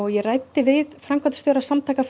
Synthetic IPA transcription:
ɔɣjɛrajt̪ɪvɪðfɾamkvant̪sɔːɾasamt̪ʰajkaf

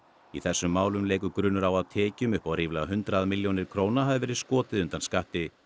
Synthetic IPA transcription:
iθɛsːʏmːaːwlʏmleːjkʏkɾʏːnʏɾawaðt̪ʰɛːcʏmʏhpawɾiːvlaaɦʏnt̪ɾaðmɪljownɪɾ̥kʰɾoːwnaɦavɪvɛːɾɪðskɔːt̪ɪðʏnt̪anskaht̪ɪ

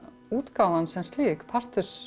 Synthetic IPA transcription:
uːt̪kaːwansɛmst̪liːkpʰar̥t̪ʏs

